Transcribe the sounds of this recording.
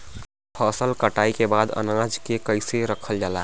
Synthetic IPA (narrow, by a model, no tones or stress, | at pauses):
pʰəsəlkəʈaːikebaːd̪ə̰nãd͡ʒkekəɪseɾəkʰəld͡ʒaːla̰